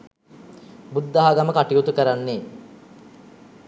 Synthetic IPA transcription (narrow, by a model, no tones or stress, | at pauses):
bud̪ːaɦaɡaməkaʈijut̪ukəɾanːe